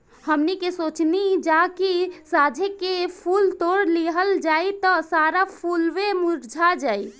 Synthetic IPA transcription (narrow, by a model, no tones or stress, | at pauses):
həmnikesoːt͡ʃnid͡ʒakisad͡ʒʱekepʰult̪oɽliɦəld͡ʒaːit̪ɔsaɾapʰulʋemuɾd͡ʒʱad͡ʒaːi